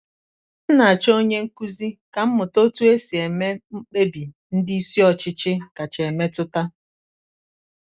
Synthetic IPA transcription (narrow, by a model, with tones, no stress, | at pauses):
n̩˦na˨a˨t͡ʃo˦o˦ɲe˦ŋ̩˦ku˦zi˦ka˨m̩˦mʊ˨to˦tu˦e˦si˨e˨me˦m̩˦k͡pe˦bi˨ | n̩˦dɪ˦i˦si˦ɔ˨t͡ʃɪ˦t͡ʃɪ˦ka˨t͡ʃe˨e˨me˦tʊ˦ta˦